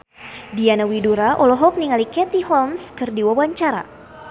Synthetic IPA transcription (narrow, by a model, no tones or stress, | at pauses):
dianawiduɾaʔɔlɔɦɔk̚niŋalikɛt̪ihɔlmskɨrdiwawaɲt͡ʃaɾa̰